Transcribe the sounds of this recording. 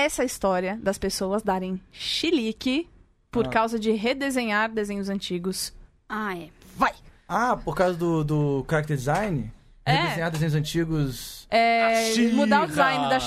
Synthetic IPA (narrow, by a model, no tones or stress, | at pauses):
ɛsɐist̪ɔɾiɐd̪ɐspesowɐzd̪aɾẽj̃ʃilikɪ | poɾkawzɐd͡ʒɪɦed̪ezẽɲaɾd̪ezẽɲʊzɐ̃t͡ʃiɡʊs | aɛvajapoɾkawzɐd̪ʊd̪ʊkaɾak̚t̪eɾd͡ʒɪzajnɪ̰ | heɛd̪ezẽɲaɾd̪ezẽɲ̃ʊzɐ̃nt͡ʃiɡʊsɛmud̪aɾʊd͡ʒizajnɪd̪ɐʃ